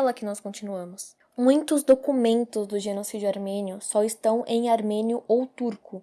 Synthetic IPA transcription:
lɐkɪnɔskõnt͡ʃinuɐ̃mʊs | mũj̃t̪ʊzd̪okumẽnt̪ʊzd̪ʊʒenosid͡ʒʊaɾmẽnjʊsɔɪst̪ɐ̃w̃ʔẽj̃aɾmẽnjʊʔowt̪uɾkʊ

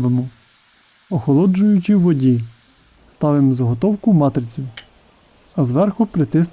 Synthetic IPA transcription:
ʋemʊ | ɔxɔlˠɔd͡ʒʊjʊt͡ʃɪʋɔdʲi | st̪ɑʋɪmzɐɦɔt̪ɔwkʊmɑt̪ɾɪt͡sʲʊ | ɐzʋɛrxʊpɾɪt̪ɪsn

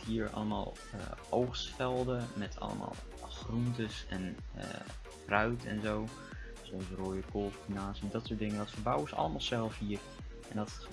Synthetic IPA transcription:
ɦiːəɹɑ̰ləma̰ːlˠ | ə̰ʔowχsfɛlˠdəmɛtʰɑ̰lə̰ma̰ːlˠ | χruntəsɛ̰n̰ | prœɥtʰɛ̰nzow | sovəroːjəkolˠtfinaːsɛndɔtsʊːt̚dɪŋədɔtfəɹbawɪsɑ̰ləmaːlˠsɛlˠfɦiːər | ɛndɔt

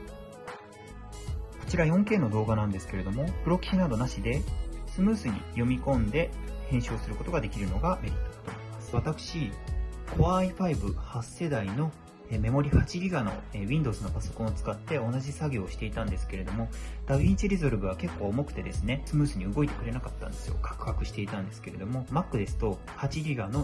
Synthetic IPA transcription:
ko̞̥t͡ɕiɾajõ̞ŋke̞ːno̞d̪o̞ːɡanãnd̪e̞sɨ̥ke̞ɾe̞d̪o̞mo̞pɯ̟ɾokʲi̥ɕinad̪o̞naɕid̪e̞sɨmɯ̟ːsɨɲ̟ḭjo̞mʲikõ̞nd̪e̞ | hẽ̞ɰ̃ɕo̞ːsɨɾɯ̟ko̞t̪o̞ɡad̪e̞kʲiɾɯ̟no̞ɡameɾʲit̪ːo̥t̪omoimasɨ̥βat̪akɯ̟̥ɕikʰo̞βaiɸaibɯ̟hasːe̞d̪aino̞ | eme̞mo̞ɾʲihat͡ɕiɾʲiɡano̞̰eβʲĩnd̪o̞ːzɨnopaso̞kõot͡sɨ̥kat̪ːe̞o̞naʑisaɡʲo̞ːɕi̥t̪e̞it̪ãnd̪e̞sɨ̥ke̞ɾe̞d̪o̞mo̞d̪̥aβʲĩɲt͡ɕiɾʲizoɾɯ̟bɯ̟βake̞kːo̞ːmo̞kɯ̟̥t̪e̞d̪e̞sɨne̞sɨmɯ̟ːsɨɲ̟iɯ̟ɡo̞it̪e̞kɯ̟ɾe̞nakat̪ːãnd̪e̞sɨjo̞̰kʰḁkɯ̟̥hakɯ̟ɕi̥t̪e̞it̪ãnd̪e̞sɨ̥ke̞ɾe̞d̪o̞mo̞makːɯ̟d̪e̞sɨ̥t̪o̞ | hat͡ɕiɾʲiɡano̞

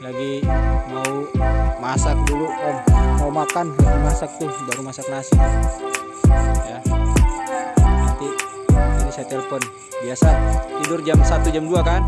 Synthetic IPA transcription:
laɡimaumasak̚dulukanmaumakanmasak̚t̪ubaɾumasak̚nasik | ja | nant̪i | anisat̪ɛlɛfɔn | biasat̪idʊrd͡ʒamsat̪ud͡ʒamduakan

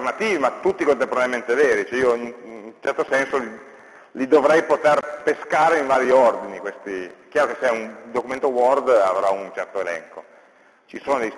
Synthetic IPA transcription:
rnat̪iːvimat̪ːut̪ːikont̪empoɾaɾement̪eveːɾit͡ʃɛioint͡ʃɛrt̪osɛnsoli | lid̪ovɾɛjpot̪erpeskaːɾeiɱvaːɾjiord̪inikwest̪ikjaːɾokeseɛund̪okument̪owɔrd̪a̰vɾaunt͡ʃɛrt̪oelɛ̰ŋko | t͡ʃisoːnod̪ej

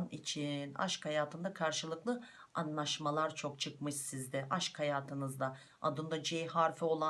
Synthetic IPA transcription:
nit͡ʃʰina̰ʃkhajaːt̪ʰɯnd̪akʰaɾʃɯlˠɯklˠɯ | anlˠaʃmalˠaɾt͡ʃʰo̞kt͡ʃʰɯkmɯʃsizd̪ɛʔaʃkhajaːt̪ʰɯnɯzd̪a | a̰d̪ɯnd̪ad͡ʒejhaɾfɛo̞lˠa

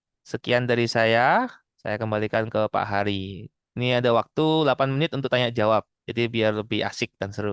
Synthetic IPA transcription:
səkiandaɾisaja | sa̰jakəmbalikankəpa̰ʔɦaɾi | niadawak̚t̪ulapanmənɪt̪unt̪ʊk̚t̪aɲaʔd͡ʒawap̚d͡ʒadibiarləbɪha̰sɪk̚dansəɾʊ

